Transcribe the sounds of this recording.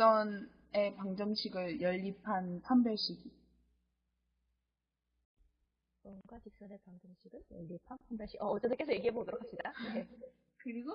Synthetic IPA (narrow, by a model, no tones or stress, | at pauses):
ʌn | e̞paŋd͡ʑʌŋɕʰiɡɯɭjʌʎːipʰanpʰambjʌɭɕ͈ʰiɡi | bʌnɡwat͡ɕik̚s͈ʌne̞paŋd͡ʑʌŋɕʰiɡɯɭjʌʎːipʰanpʰambjʌɭɕ͈ʰikʌʌt͡ɕ͈ed͈ɯnkesʰʌje̞ɡiɦe̞bodoɾokʰaɕɲidaje | kɯɾiɡo